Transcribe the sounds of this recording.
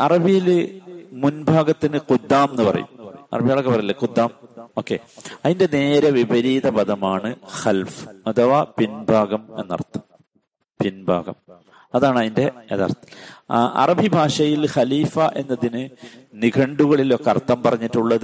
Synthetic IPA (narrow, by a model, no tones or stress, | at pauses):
ɐrɐbʱijil | munbʱaːɡɐt̪ːinɨqud̪ːaːmenːɨpɐrɐ̰jṵmɐ̰rɐbʱijaːɭokːepɐrɐjilːekud̪ːaːmo̞ːkːe̞̰ɐðinde̞ne̞ːɾɐʋibʱɐɾiːðɐpɐðɐmaːɳɨxɐlfɨ̥ɐt̪ʰɐʋaːpinbʱaːɣɐme̞̰nːɐ̰rt̪ːɐ | pinbʱa̰ːɡɐ̰m | ɐðaːɳɐðinde̞ḛt̪a̰rt̪ːʔɐ̰rɐbʱibʱaːʂɐjilxɐliːfɐʔe̞nːɐðinɨniɡʱɐɳɖuɣɐɭilo̞kːeɐrt̪ːɐmpɐrɐɲːitːuɭːɐðɨ